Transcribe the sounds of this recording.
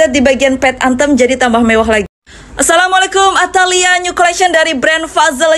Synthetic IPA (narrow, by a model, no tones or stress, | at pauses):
at̪̚dibaɡianpɛt̪̚ant̪əmd͡ʒadit̪ambahmewaɦlaɡi | ʔasalamɔlekʊmat̪aliaɲukolɛkʃəndaɾibɾɛndfazəl